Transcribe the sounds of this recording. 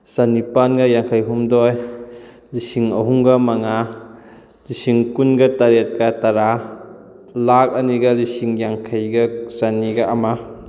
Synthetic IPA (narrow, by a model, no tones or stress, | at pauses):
sanipanɡɐjaŋkʰajɦumdɔj | lisiŋɐɦuŋɡɐmaŋa | lisiŋkunɡɐtaɾet̚kataɾa | lak̚ɐniɡɐlisiŋjaŋkʰajɡɐsaniɡaːma